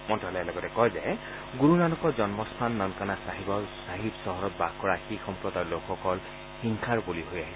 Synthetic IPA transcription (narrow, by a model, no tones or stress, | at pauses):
mɔntalɔɛlɔɡɔtɛkɔjzɛ | ɡuɹunanɔkɔzɔnmɔst̪ʰanːɔnkanasaɦibɔsaɦibsɔɦɔɹɔt̚bakɔɹaxixɔmpɹɔd̪ajlokʰxɔkɔl | xiŋkʰaɹbuliɦojaɦi